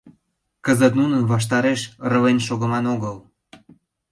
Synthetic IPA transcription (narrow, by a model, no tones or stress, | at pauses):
kəzət̪nunənβɑʃ̬t̪ɑɾeʃrə̆lenʃoɣə̆mɑnoɣəl